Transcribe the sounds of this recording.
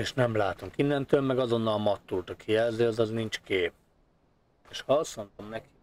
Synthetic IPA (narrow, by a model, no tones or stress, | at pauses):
eːʃnɛmlaːt̪uŋkinːɛnt̪øːlmɛɡɒzo̞nːɒlmɒt̪ːult̪ɒkijɛlzeɒzɒznint͡ʃkeːp̚ | eːʃhɒsont̪omnɛki̥